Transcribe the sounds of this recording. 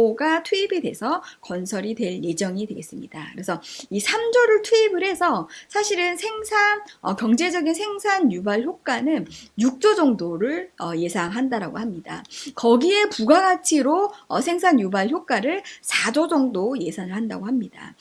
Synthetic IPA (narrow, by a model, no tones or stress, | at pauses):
oɡatʰuibidwe̞sʰʌkʌnsʰʌɾidwe̞ɭje̞d͡ʑʌŋidwe̞ɡe̞s͈ɯmɲidakɯɾe̞sʰʌisʰamd͡ʑoɾɯɭtʰuibɯɾɦe̞sʰʌsʰaɕʰiɾɯnsʰe̞ŋsʰanʌkjʌŋd͡ʑe̞d͡ʑʌɡinsʰe̞ŋsʰanjubaɭçjok͈anɯnjuk̚t͡ɕ͈od͡ʑʌŋdoɾɯɭʌje̞sʰaŋɦandaɾaɡo̰hamɲida̰kʌɡie̞puɡaɡat͡ɕʰiɾoʌsʰe̞ŋsʰanjubaɭçjok͈aɾɯɭsʰad͡ʑod͡ʑʌŋdoje̞sʰaŋɯɭhanda̰ɡohamɲida̰